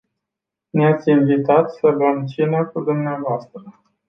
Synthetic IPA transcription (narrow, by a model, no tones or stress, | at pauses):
neat̪sʲinvit̪at̪sələmt͡ʃinakud̪umneavoast̪ɾə